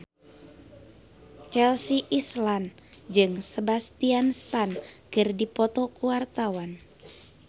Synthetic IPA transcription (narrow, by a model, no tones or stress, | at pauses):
t͡ʃɛlsiʔisland͡ʒɨŋsəbast̪ianst̪ankɨrdipɔt̪ɔkuwart̪awan